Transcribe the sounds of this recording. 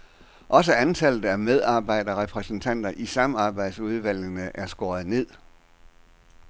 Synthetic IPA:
ʔɒ̽s̬əænt͡sʰæl̰ð̩ˠæmeð̞ˠɑ̈ːb̥ɑ̈ɪ̰d̥ɐʁɛpʰʁɛsn̩t͡sʰæn̰d̥ɐʔisɑ̈mɑ̈ːb̥ɑ̈ɪd̥suð̞ˠʋæl̰jənəʔæɐsɡ̥ɒːð̩ˠne̝ð̰ˠ

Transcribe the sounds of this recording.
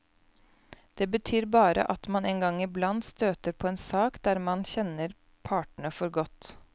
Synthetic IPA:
d̪̥eːbət̪ʰyːɾbɑːɾə̰ʔɑt̪mɑneːŋɡɑŋːɪblɑnd̪st̪øːt̪əɾpʰoːeːnsɑːkd̪æːɾmɑnçɛnəɾ | pʰɑːʈɳəfɔɾɡɔt̪

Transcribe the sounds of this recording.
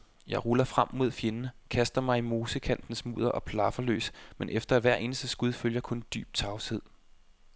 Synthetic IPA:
jɑ̈ɪʁulɐfʁam̰mo̝ð̰ˠfje̝nənəkʰæsd̥ɐmɑ̈ɪimo̝ːsəkʰæn̰d̥n̩smṵːð̞ˠɐʔɒ̽pʰlɑ̈fɐlø̰ːsmenʔefd̥ɐæʋæɐ̰ʔe̝ːnəsd̥əsɡ̥uð̞ˠføljɐkʰɔ̽nd̥y̰ːb̥̚t͡sʰɑ̈ʊshe̝ð̰ˠ

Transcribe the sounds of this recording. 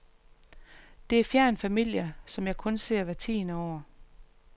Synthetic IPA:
d̥e̝æɐfjæɐnfæmil̰jɐsɒ̽mjɑ̈ɪkʰɔ̽nse̝̰ɐ̰ʋæt͡sʰḭːnəɒʊ̰ɐ

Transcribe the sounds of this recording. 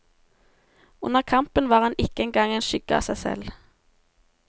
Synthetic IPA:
ʊ̰nəʁkʰɑmpənʋɑːʁɑnɪkəɛnɡɑŋenʃʏɡəɑ̰ːsæɪsɛ̰l

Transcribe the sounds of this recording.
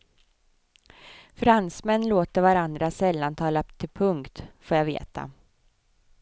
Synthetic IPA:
fɾansmɛnːloːt̪əɾvaɾand̪ɾasɛlːant̪ʰɑːlat̪ʰɪlpʰɵŋkt̪foːɾjavḛːt̪a̰

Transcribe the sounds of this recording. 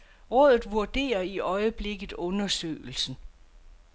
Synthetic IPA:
ʁɔ̽ðˠð̩ˠʋuɐd̥e̝̰ːɐiʔɒ̽ɪəb̥le̝ɡ̥ð̩ˠɔ̽nɐsø̰ːɪl̩sn̩

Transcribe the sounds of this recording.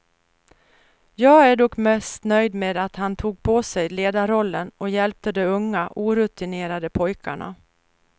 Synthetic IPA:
jɑːɡæɖɔkmɛst̪nœjd̪meːd̪at̪hant̪ʰuːɡ̚pʰɔsɛjleːd̪aɾɔlːənɔjɛlp̚t̪əd̪ɛɵŋːaʔuːɾɵt̪ɪneːɾad̪əpʰɔjkʰa̰ɳa̰

